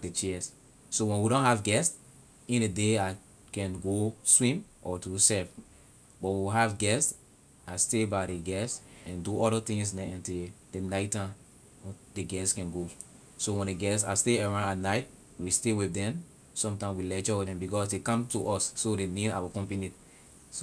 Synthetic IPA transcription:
det͡ʃɛs | sowɛ̃nwiɾɔ̃nhavɡɛst | ĩndedea | kɛ̃nɡoswĩmʔɔtusɛv | bɔt̚wiɦavɡɛst | astebaɾeɡɛsɛ̃nduɔɾətĩŋs̬nɛ̃ntidenaɪtã | deɡɛskɛ̃nɡo | sowɛ̃ndeɡɛsa̰steɛɹãnanaɪt̚ | wistewiθdɛ̃m | sɔ̃mtãɪ̃mswilɛt͡ʃɔwidɛ̃mbikɔsdekãmtuʔɔsːodenida̰wɔkɔ̃mpinit | so

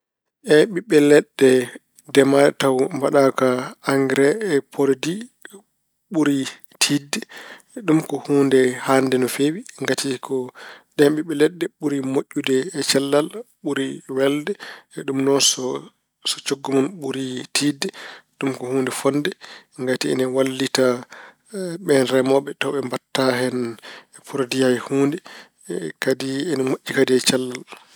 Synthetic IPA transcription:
ʔɛɓiɓːɛlɛɗːɛ | dɛmatawmbaɗakaaŋɡɾɛːpʰoɾdi | ɓuɾi | tʰidɛ | ɗumkɔhuːndɛhandɛnɔfewiŋɡatʰikʰɔɗɛnɓiɓɛlɛɗːɛɓuɾimoʔʲːudɛːt͡ʃɛlːal | ɓuɾiwɛldɛɗumnɔnsɔ | sɔt͡ʃoɡːumɔnɓuɾitʰiːdːɛɗumkɔhuːndɛfɔndɛŋɡatiɛ̰nɛwalːita | ɓɛnɾɛmɔɓɛtɔɓɛmbatːaɦɛn | pʰuɾodijajhuːndɛ | kadiɛnɛmoʔʲːikadiɛt͡ʃalːal

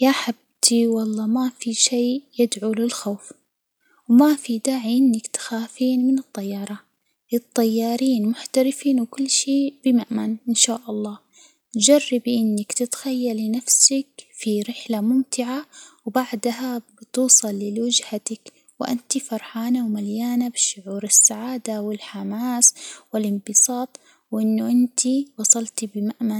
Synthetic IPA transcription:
jaħab̚t̪iwɑlˤːɑːmafiʃeːjɪd̪ʕulɪlxoːf | wmafid̪aːʕiʔɪnːakt̪ḁxaːfiːnmɪnɨt̪ˤːɑjːɑːɾˤɑ | lɨt̪ˤːɑjːɑːɾiːnmʊħt̪aɾɪfiːnwɪkʊlːʃeːb̥ɪmaʕmanʔɪnʃaːʔɑlˤːɑː | d͡ʒarːɪbiʔɪnːakt̪ɪt̪xajːalɪnafsakfiɾɪħlamʊmt̪ɪʕawbaʕd̪aɦabɪt̪uːsˤɑlːɪlwɪd͡ʒhat̪ak | wʔa̰nt̪ifɑɾˤħaːnawmaljaːnabɪʃʊʕuːɾɪsːaʕaːd̪awɪlħamaːswɪlɪmbɨsˤɑːt̪ˤ | wʔɪnːʊʔɪnt̪ʰiwɑsˤɑlt̪ibɪmaʔman

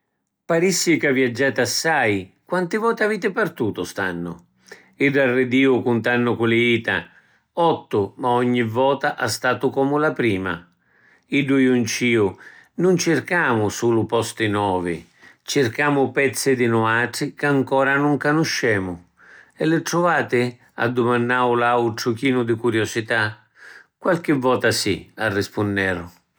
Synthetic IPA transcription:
paɾisːɪkavjad͡ʒːaːt̪asːajkwant̪ɪvɔːt̪ɪaviːt̪ɪpart̪uːt̪ʊst̪a̰nːʊ̰ | iɖːarːɪd̪iːʊkʊnt̪anːʊkulɪiːt̪a̰ | ɔt̪ːʊmaɔɲːivɔːt̪aʔast̪aːt̪ʊkɔːmʊlapɾiːma̰ | iɖːʊjunt͡ʃiːʊnʊnt͡ʃɪrkaːmʊsuːlʊpɔst̪ɪnɔːvɪ̰ | t͡ʃɪrkaːmʊpɛt̪sːɪd̪ɪnʊaʈɾɪkaŋkɔːɾanʊŋkanʊʃːɛːmʊ | ɛlːɪʈɾʊvaːt̪ɪ | a̰d̪ːʊmanːaːʊlawʈɾʊkiːnʊd̪ɪkuɾjɔsit̪a | kwalk̟ɪvːɔːt̪asiarːɪspʊnːɛːɾʊ

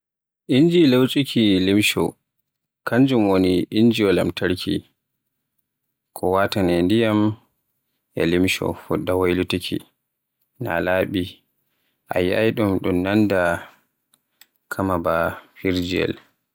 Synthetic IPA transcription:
ʔind͡ʒilewt͡ʃʼikʰilimʃɔ̰ | kand͡ʒumwoniʔind͡ʒiɔla̰mtʰaɾkʰi | kʰɔwatanɛndijam | ja̰limʃɔ̰fuɗːawajlutikʰḭ | na̰laːɓi | ʔa̰jiʔajɗumɗumnanda | kʰamabafiɾd͡ʒiɛ̰l

